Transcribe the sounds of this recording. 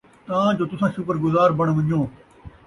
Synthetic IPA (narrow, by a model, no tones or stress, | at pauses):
t̪ãːd͡ʒoːt̪ʊsãːʃʊkəɾɡʊzaːɾbəɳ̃ʋə̃ɲjõː